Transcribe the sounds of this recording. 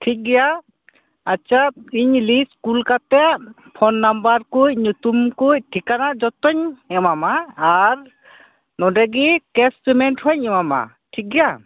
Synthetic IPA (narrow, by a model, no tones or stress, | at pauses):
ʈʰik̚ɡɛja | at͡ʃap̚iɲliskulkat̪ɛaʔ | pʰɔnːambaɾkuc̚ɲut̪umkuc̚ʈʰikanaʔd͡ʒɔt̪ɔɲɛmamaːɾ | nɔɖɛɡikɛspimɛɳʈhɔɲɛmama̰ | ʈʰik̚ɡɛja